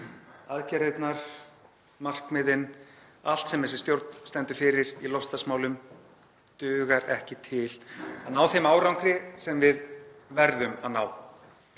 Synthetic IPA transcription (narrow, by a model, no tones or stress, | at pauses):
aðcɛɾejt̪naɾ̥ | mar̥kmɪðɪnal̥t̪sɛmhɛsɪ̥st̪jowɾt̪n̥st̪ɛnt̪ʏ̥ɾfɪɾɪɾilɔfst̪asmaːwlʏm | t̪ʏːɣaɾɛhcɪt̪ʰɪlanaːwθejmaːwɾawŋkɾɪsɛmvɪðvɛɾðʏma̰ðnaːw